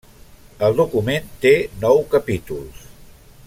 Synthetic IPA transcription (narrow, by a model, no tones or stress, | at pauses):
əlˠd̪ukument̪enɔwkəpit̪ulˠs